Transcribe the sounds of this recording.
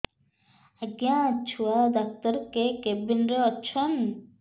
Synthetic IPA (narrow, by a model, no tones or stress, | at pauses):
aɡjãt͡ʃʰuad̪ak̚t̪əɾkekebinɾeɔt͡ʃʰɔn